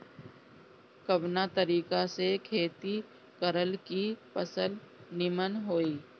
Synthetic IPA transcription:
kəbnat̪əɾiːkasekʰeːt̪i | kəɾəlkipəsəlnɪmənɦoːiː

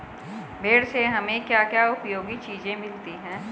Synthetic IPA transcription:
beːɽseɦɐmẽkjaːkjaːʊpjoːɡit͡ʃiːzẽmɪlt̪iɦɛ̃ː

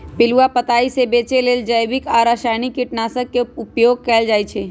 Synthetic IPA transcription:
pɪluapət̪aːisebeːt͡ʃeleːld͡ʒəjbɪkaːɾaʃaːnikiʈnaːsəkːeʊpjoːɡ̚kɛːld͡ʒaːjt͡ʃʰe

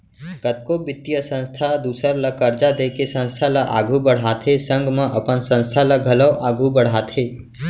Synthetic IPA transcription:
kət̪̚kobɪt̪ːijəsə̃nst̪ʰad̪uːsəɾlɐkəɾd͡ʒad̪eːkesə̃nst̪ʰalaʔa̰ːɡʱubəɽ̤aːt̪ʰɦesə̃ŋɡmãʔəpənsə̃nst̪ʰalaɡʱɐləwʔaːɡʱubəɽ̤aːt̪ʰɦeː

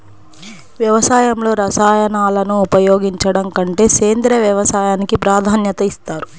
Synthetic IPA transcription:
ʋjɐʋɐsaːjɐmlo̞ːɾɐsaːjɐnaːlɐnuːpɐjo̞ːɡiɲt͡ʃɐɽɐŋkɐɳʈe̞ːse̞ːnd̪ɾɐʋjɐʋɐsaːjaːnikipɾaːd̪ʱaːnjɐt̪ɐist̪aːɾu

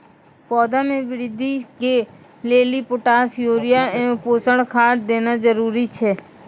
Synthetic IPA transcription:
pɔːd̪amẽʋɪɾɪd̪ʱike | leːlipʊʈaːsjoːɾɪjaẽːpoːsəɽkʰaːʈd̪eːnad͡ʒəɾuːɾit͡ʃʰɛː

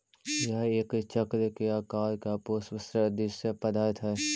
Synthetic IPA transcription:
jɐɦeːkt͡ʃəkɾkeaːkaːɾkapoːsəsɾəd̪ɪʃəpɐd̪aːt̪ʰɛ

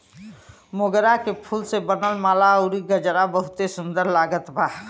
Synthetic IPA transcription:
moːɡəɾakepʰulsebənəlmaːlaoːɾiɡəd͡ʒɾabəɦʊt̪esʊ̃nd̪əɾlaːɡət̪bʱaː

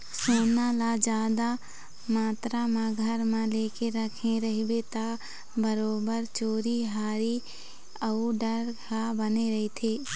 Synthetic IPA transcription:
soːnalad͡ʒaːd̪a | maːt̪ɾamãɡʱəɾmãleːkeɾɐkʰẽɾɐɦibet̪a | bəɾoːbəɾt͡ʃoːɾiɦaːɾi | əuɖəɾabəneɾɐɦit̪ʰeː

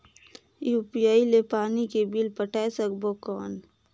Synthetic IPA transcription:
juːpijaːilepaːnikebilpəʈʰaːesəkbokɔːn

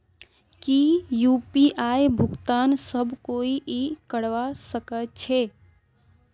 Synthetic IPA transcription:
kijuːpiʔaːjbʱʊɡt̪aːnsəbʱkoːiʔikəɽʋasəkət͡ʃʰe

